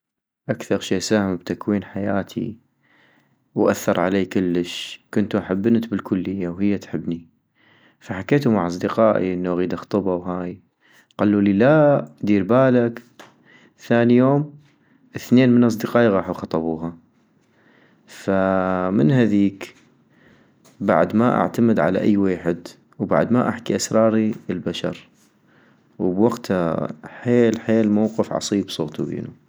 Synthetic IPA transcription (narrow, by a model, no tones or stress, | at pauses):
ʔakθɑɾˤʃiːsaːhɪmbt̪akwiːnħajaːt̪ʰḭ | wʔa̰θːɑɾˤʕa̰leːkʊlːəʃkʊnt̪uʔaħabːɪnat̪bɪlkʊlːɪjːawhɪjːat̪ħɪbːni | faħakeːt̪umaʕɑsˤd̪əqɑːʔḭʔənːoɣiːd̪axt̪ˤɨbawɦaːj | qalːuːlilad̪iːɾbaːlak | θaːnijoːm | ʔəθneːnmənʔɑs̬ˤd̪ɨqɑːʔiɣɑːħuxɑt̪ˤɑbuːɦa | famɪnɦaðiːk | ba̰ʕd̪maʔa̰ʕt̪amɪd̪ʕa̰la̰ʔa̰jːweːħɪd̪ | wba̰ʕd̪maʔa̰ħkiʔasɾˤɑːɾiəlbaʃɑ̰ɾˤ | wbwaɡt̪ʰaħeːlħeːlmawqɨfʕɑ̰sˤiːbsˤo̰ːt̪ubḛːnu